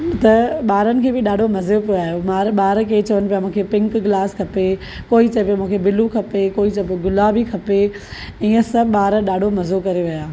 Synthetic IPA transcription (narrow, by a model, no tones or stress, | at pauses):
t̪ɐɓaːɾənɪ̆kʰeːbɪɗaːɖʱomɐzepoaːjomaːɾɓaːɾkeːt͡ɕɐʋənɪ̆pijamũːkʰepɪ̃ŋkɡɪlaːskʰɐpe | koːit͡ɕɐpijomũːkʰebɪlukʰɐpekoːit͡ɕɐpoɡʊlaːbʱikʰɐpe | ĩːə̃sɐɓaːɾɗaːɖʱomɐzokɐɾeʋɐjaː